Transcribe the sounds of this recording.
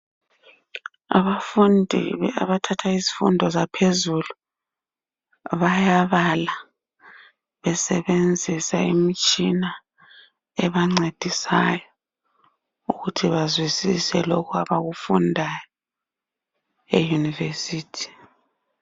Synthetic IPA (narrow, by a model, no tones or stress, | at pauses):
a̰βafundʱḭa̰βatʰatʰaizifṵndʱɔzapʰezulu | βajaβala | βɛsɛβend͡zʱisa̰ḭmit͡ʃʼina | ɛβaŋ͡ǀed̥ʱisa̰jɔ | uɣutʰiβazwisisɛlɔkʰuaβaɣufundʱajɔ | ḛjunivesiːtʰi̥